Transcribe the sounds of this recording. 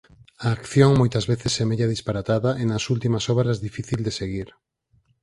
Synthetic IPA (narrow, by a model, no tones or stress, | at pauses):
aːkθjoŋmojt̪ɐzβeθɪsɛmeʎaðispaɾat̪aðɐʔenɐsult̪imɐsɔβɾazðifiθild̪eseɣiɾ